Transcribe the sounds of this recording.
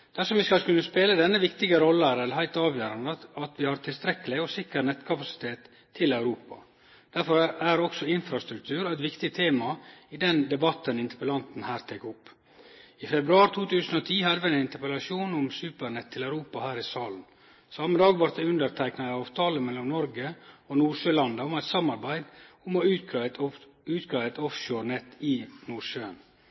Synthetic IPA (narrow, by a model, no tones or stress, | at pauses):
d̪̥æʂɔmʋɪskɑlkʰʉnːəspeːləd̪ɛnːəʋɪkt̪ɪɡəɾɔlːəæɾɛlɦæɪlt̪ɑːʋjøːɾɑnd̪ɑt̪ʋɪhɑɾt̪ʰɪlst̪ɾɛkːəlɪɔsɪkəɾnɛt̪kʰɑpɑsɪ̥t̪ʰeːt̪ʰː | ɪlɑʉɾuːpɑ̰ | d̪̥æɾfɔɾæɾɔksɔɪnfɾɑst̪ɾʉk̚t̪ʰʉːɾæɪt̪ʋɪkt̪ɪt̪ʰeːmɑɪd̪ɛnd̪ɛbɑt̪ːənɪnt̪ə̥pəlɑnt̪n̩hæːɾt̪ʰɛːkʊpː | ɪfɛbɾʉɑːɾt̪ʰuːt̪ʰʉːsn̩ɔt̪ʰiːhɑd̪əʋæɪnɪnt̪əɾpɛlɑsuːnʊmsʉːpəɾɳɛt̪ʰːɪlæʉɾuːpɑhæːɾɪsɑːln̩ | sɑməd̪ɑːɡʋɑɾt̪̚d̪ɛʉnd̪əɾt̪ʰæɪknɑɑːʋt̪ʰɑːləmɛlːɔmnɔɾɡəɔnuːʂøːlɑnd̪əʊmæɪt̪sɑmːɑɾbæɪd̪ʊmɔʉ | ʉːt̪ɡɾɑːæɪt̪ɔfʃoːɾɳɛt̪ːɪnuːɾʂøːə̰n